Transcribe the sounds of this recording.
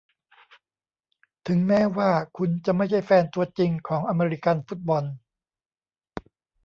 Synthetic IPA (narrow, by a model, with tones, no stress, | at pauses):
t̪ʰɯ˩˦ŋmɛː˦˥waː˥˩kʰu˧nt͡ɕa˧ma˥˩jt͡ɕʰa˥˩jfɛː˧nt̪u˧ɐt͡ɕi˧ŋkʰɔː˩˦ŋʔa˧meː˧ɾi˦˥ka˧nfu˦˥˩t̪̚bɔ˧n